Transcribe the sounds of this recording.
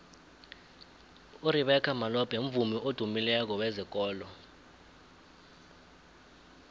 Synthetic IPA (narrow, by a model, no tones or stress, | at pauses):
uɾiɓɛkʰamalɔb̥ʱeɱ̩vumiʔod̥ʱumilɛk̬ɔwɛzik̬ʼɔːlɔ